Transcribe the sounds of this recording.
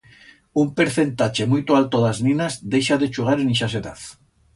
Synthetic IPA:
umpeɾθe̞nt̪at͡ʃemujt̪oalt̪oðaznĩnazd̪ejʃaðet͡ʃuɣ̞aɾeniʃas̬eða̰θ

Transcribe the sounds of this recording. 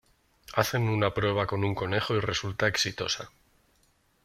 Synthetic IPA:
aθe̞nunapɾwe̞β̞ako̞nuŋko̞ne̞xoire̞sult̪ae̞ksit̪o̞sa

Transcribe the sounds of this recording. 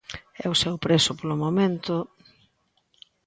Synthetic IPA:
ɛ̰ʊsɛwpɾesʊpolʊmomẽnt̪ʊ

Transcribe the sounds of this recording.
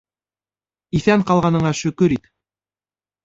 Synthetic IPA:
iθæŋqɑlˠʁɑnɤ̆ɴɑʃɵ̆kɵɾit̪

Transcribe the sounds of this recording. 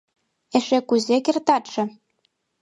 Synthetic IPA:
eʃekuzekert̪ɑt̪ʃɤ̆

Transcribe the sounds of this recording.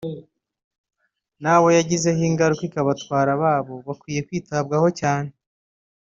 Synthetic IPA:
naːwo̞jaɟize̞hiːŋɡaɾukwikaβatwaːɾaβaːβo̞βakwiːje̞kwiːtab̚ɡaho̞caːne

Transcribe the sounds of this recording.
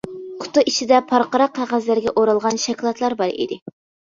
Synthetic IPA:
qʰʊ̥t̪ːuʔit͡ʃʰid̪ɛpʰɑɾqəɾɑqʰːɑʁæzlæɾɡʲɛʔoɾɑlˠʁɑnʃɛkʲlˠɑt̪ʰlˠɑɾbɑɾḭd̪ɪ

